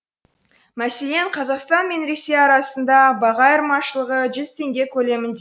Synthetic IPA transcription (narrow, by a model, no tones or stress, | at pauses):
mæse̞le̞ɴqʰɑzɑqst̪ɑnme̞nɾe̞se̞jɑɾɑsənd̪ɑbɑʁɑjəɾmɑʃəlˠəʁəʒʏzt̪ʰe̞ŋɡʲe̞kʲʰɵle̞mɪnd̪e